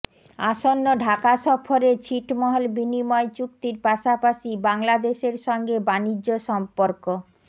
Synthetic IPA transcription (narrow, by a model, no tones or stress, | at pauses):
aʃonːoɖʱakaʃɔfʰoɾet͡ɕʰiʈmɔɦolbinimɔet͡ɕuk̚t̪iɾpaʃapaʃibaŋlad̪eʃeɾʃɔŋɡebanid͡ʑːoʃɔmpoɾko